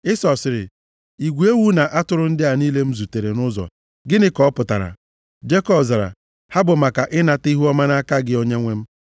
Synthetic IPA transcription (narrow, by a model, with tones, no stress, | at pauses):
ɪ˦sɔ˨sɪ˨ɾɪ̰˨ | i˨ɡʷu˨˦e˦wu˦na˨ʔa˦tʊ˨ɾʊ˦n̩˦dɪ˦a˨niː˦le˦m̩˦zu˨te˨ɾe˨nʊ˦zɔ̰˨ | ɡɪ˦nɪ˦kɔ˨˦pʊ˨ta̰˨ɾa̰˨ | d͡ʒe˦kɔ˨bza˨ɾa̰˨ | ha˦bʊ˨ma˨ka˨ʔɪ˦na˨ti˦ɦu˦ɔ˦ma˦na˦ka˦ɡɪ˦o˦ɲe˦ŋʷe˦m̩˦